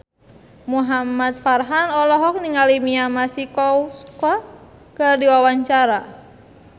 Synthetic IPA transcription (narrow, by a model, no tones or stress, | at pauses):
muɦamat̪̚farɦanɔlɔɦɔk̚niŋalimiamasikɔuska | kərdiwawaɲt͡ʃaɾa